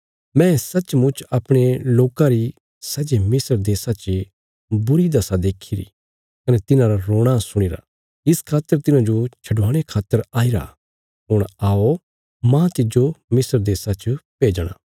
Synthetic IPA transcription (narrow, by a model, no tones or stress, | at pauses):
mɛ̃ːsɐt͡ʃmʊ̃t͡ʃɐpɽ̃eloːkãɾi | sɐd͡ʒemɪsəɾd̪eːsat͡ʃə | bʊɾid̪ɐsad̪eːkʰiɾḭ | kɐnɛt̪ɪnãɾaɾoːɽ̃asʊɽ̃iːɾa̰ | ɪskʰaːt̪ːəɾt̪ɪnãd͡ʒot͡ʃʰɐɖʋaːɽ̃ekʰaːt̪ːəɾaːiɾa̰ | ɦʊɽ̃aːo | mãːt̪ɪd͡ʒomɪsəɾd̪eːsat͡ʃəpeːd͡ʒɽ̃a̰ː